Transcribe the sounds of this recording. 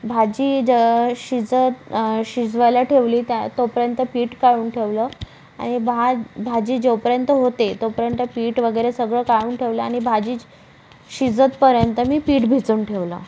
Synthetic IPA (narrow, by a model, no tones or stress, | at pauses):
bʱad͡ʑiːd͡ʑəɕid͡zət̪ɕid͡zʋəjlaʈʰeʋliːt̪jat̪opəɾjənt̪əpiːʈkaɭuːnʈʰeʋləː | a̰ɽ̃ibabʱad͡ʑiːd͡ʑewpəɾjənt̪əɦot̪et̪opəɾjənt̪əpiːʈʋəɡəjɾesəɡɭəːkaɭuːnʈʰeʋləaɽ̃ibʱad͡ʑiː | ɕid͡zət̪pəɾjənt̪əmiːpiːʈbʱit͡suːnʈʰeʋlə̰ː